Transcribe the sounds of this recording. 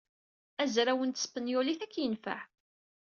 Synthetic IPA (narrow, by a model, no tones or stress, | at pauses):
æzɾæwənt̪sə̥fənjʊliθækːjənfə̰ʕ